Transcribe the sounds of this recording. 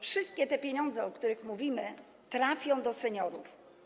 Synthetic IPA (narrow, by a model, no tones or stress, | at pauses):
fʂɘst̪̚kʲɛt̪ɛpʲjeɲɔnd̪zɛɔkt̪uɾɘxmuvʲimɘ | t̪ɾafʲjɔ̃w̃d̪ɔsɛɲɔɾuf